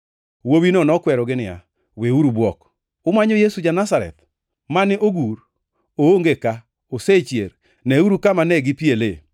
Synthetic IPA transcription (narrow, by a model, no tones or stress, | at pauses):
wowinɔnɔkwɛɾɔɡɪnɪja̰ | weuɾubwɔk | omaɲɔjesud͡ʒanasaɾɛ̰t̪ | manɪʔoɡuɾ | ooŋɡeka | oset͡ʃjḛr | nɛuɾukamanɛɡɪpielḛ